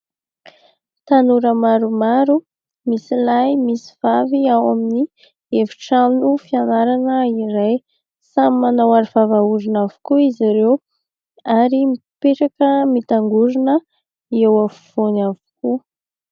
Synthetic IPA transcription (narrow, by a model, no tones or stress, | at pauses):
t̪anuɾəmaɾumaɾu | misilajmisi̥v̥aviawamini | evi̥ʈ͡ʂamnufianaɾanəiɾaj | samimanawaɾiv̥avauɾinavu̥kuiziɾew | aɾimipeʈ͡ʂakəmit̪aŋɡuɾinə | iewafuv̥onavu̥ku